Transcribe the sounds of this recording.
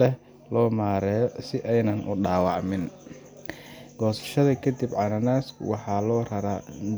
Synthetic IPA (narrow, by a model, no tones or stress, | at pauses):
ɛh | lɔːmaːɾɛːjɔsɪʔɛjnɐnʔʊɖaːwɑʕmɪn | ɡ̥ɔːsɐ̥ʃɐðɐkʰɐd̪ibʕɑnɐnaːswɑħɑlɔːrɐɾaː